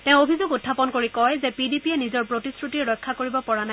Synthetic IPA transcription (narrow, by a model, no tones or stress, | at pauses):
tɛ̃ʊ̃obʱizuɡutʰːapɔnkoɹikɔjzɛpidipiɛnizɔɹpɹotisɹutiɹɔjkʰːakoɹibɔpɔɹana